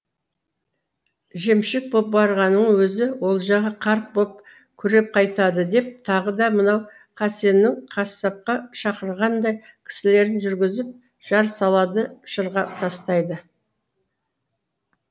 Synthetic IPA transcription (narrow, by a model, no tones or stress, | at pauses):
ʒe̞mʃɪk̚bo̞p̚bɑɾʁɑnəɴwɵzɪwo̞lˠʒɑʁɑqʰɑɾq̚bo̞p̚ | kʲʰʏɾe̞p̚qʰɑjt̪ɑd̪əd̪e̞p̚t̪ʰɑʁəd̪ɑmənɑw | qʰɑse̞nːɪŋqʰɑsːɑp̚qɑʃɑqəɾʁɑnd̪ɑj | kʲʰɪ̥sɪle̞ɾɪnʒʏɾɡʲɪzɪp̚ | ʒ̥ɑɾsɑlˠɑd̪əʃəɾʁɑt̪ʰɑst̪ɑjd̪ə